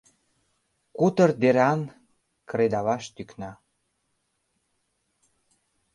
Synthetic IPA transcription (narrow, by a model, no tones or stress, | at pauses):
kut̪ərd̪eɾɑn | kɾed̪ɑβɑʃt̪yknɑ